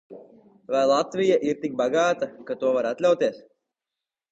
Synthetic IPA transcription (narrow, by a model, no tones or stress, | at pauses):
vajlˠat̪vijaʔiɾt̪ik̚baɡaːt̪akat̪uɔvaɾat̪lʲawt̪iɛs